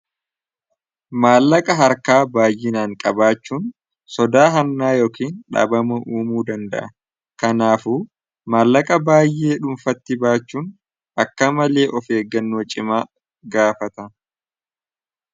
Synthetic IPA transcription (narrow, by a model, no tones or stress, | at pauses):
maːlːɐkʼɐɦɐɾkaːbaːjːɪnaːŋkʼɐbaːt͡ʃːuːn | sɔd̪aːɦɐnːaːjo̞ːkiːnᶑɐ̰ːbɐmɐʔuːmuːd̪ɐnd̪ɐ̰ʔɐ | kɐnaːfuː | maːlːɐkʼɐbaːjʔe̞ːᶑʊmfɐt̪ːɪbaːt͡ʃːuːn | ʔɐkːɐmɐle̞ːʔɔfeːɡːɐnːo̞ːt͡ʃʼɪmaː | ɡaːfɐt̪ɐ